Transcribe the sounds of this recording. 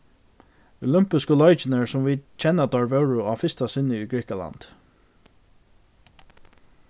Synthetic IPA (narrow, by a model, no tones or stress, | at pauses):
ʊlʏmpɪskəlɔjt͡ʃɪnəɹsʊmviːd̪t͡ʃʰɛnːad̪ɔɹʋɛwɹʊafɪst̪asɪnːɪiɡɾɪhkala̰nd̪̥